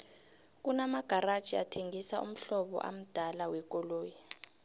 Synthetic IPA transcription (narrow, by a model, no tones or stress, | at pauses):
k̬unamaɡ̥ʱarḁt͡ʃʼia̰tʰeŋisaʔṵm̩ɬɔɓɔ̰ʔa̰m̩d̥ʱalawɛk̬ʼɔloːji